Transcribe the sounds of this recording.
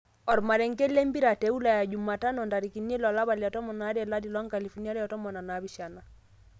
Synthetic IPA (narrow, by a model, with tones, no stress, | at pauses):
ɔ˨ɾma˨ɾɛ˨ŋkɛ˦lɛ˦mbi˦ɾa˨tɛ˨˦u˦la˨ja˨d͡ʒu˨ma˨ta˦nɔ˨nda˨ɾi˨ki˨ne˦lɔ˨la˦βa˨lɛ˨ɔ˨tɔ˦mɔ˨na˨˦dɛ˨la˦di˨lɔ˦ŋka˨li˨fɔ˨ni˦a˦ɾɛ˦ɔ˨tɔ˦mɔ˨na˨na˨˦bi˦ʃa˨na˨